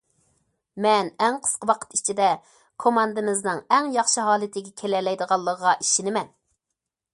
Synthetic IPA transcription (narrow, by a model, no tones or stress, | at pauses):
mɛnɛŋqʰə̥sqəwɑqʰə̥t̪it͡ʃʰid̪ɛ | kʰomɑnd̪ɨmɪznɨŋɛŋjɑχʃɨɦɑːlˠɪt̪ʰɪɡʲɛkʲʰelɛlɛjd̪əʁɑlˠːəʁəʁɑʔiʃinɪmɛn